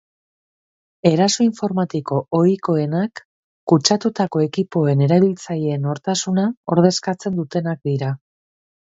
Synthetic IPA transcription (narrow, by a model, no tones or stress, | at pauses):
e̞ɾaso̞iɱfo̞ɾmat̪iko̞oiko̞e̞nakː | ut͡ʃat̪ut̪ako̞e̞kipo̞e̞ne̞ɾaβilt͡sajeeno̞ɾt̪asunao̞ɾð̞e̞skat͡se̞nd̪ut̪e̞nak̚d̪iɾa